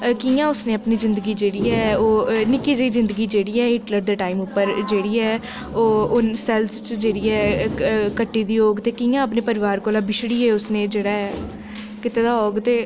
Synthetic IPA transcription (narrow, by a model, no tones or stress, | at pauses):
kiːjãːʊsneːəpniːzɪnd̪əɡiːd͡ʒeːɽiːɛːoːnɪkiːd͡ʒəiːzɪ̃nd̪əɡiːd͡ʒeːɽiːɛːɪʈləɾd̪əːʈaːimʊpːəɾd͡ʒeːɽiːɛː | oːʊnsɛːlst͡ʃd͡ʒeːɽiːɛː | kəʈːiːd̪iːoːɡt̪eːkiːjãːəpneːpəɾɪʋaːɾkoːlaːbɪʃɽiːɛːʊsnẽːd͡ʒeːɽaːɦɛː | kɪt̪eːd̪aːɦoːɡt̪eː